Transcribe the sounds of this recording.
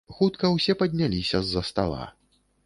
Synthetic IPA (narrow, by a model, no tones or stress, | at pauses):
xut̪kɐwsʲɛpɐd̪ʲnʲalʲisʲɐzːɐst̪a̰lˠa̰